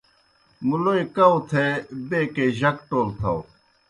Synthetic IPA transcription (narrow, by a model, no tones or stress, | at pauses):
muloːikɐwt̪ʰebeːkeʑɐkʈoːlt̪ʰɐ̰w